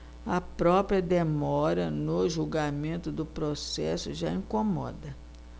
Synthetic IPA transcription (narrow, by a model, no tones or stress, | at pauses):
ɐpɾɔpɾiɐd̪emɔɾɐnʊʒuwɡamẽnt̪ʊd̪ʊpɾosɛ̰sʊʒa̰ĩkomɔ̰d̪ɐ